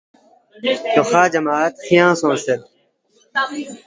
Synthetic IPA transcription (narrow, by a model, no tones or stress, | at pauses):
t̪oxaːd͡ʑɐmaːt̪xijãːsõːseɾ̚